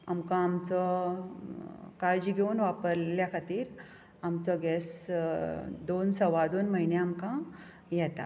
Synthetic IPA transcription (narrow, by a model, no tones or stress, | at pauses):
amkãːmt͡sɔ | kaɭd͡ʑiɡʱeunʋapəɾljakʰat̪iːɾ | amt͡sɔɡɛs | d̪onsəʋad̪onməɦineamkã | jɛt̪a̰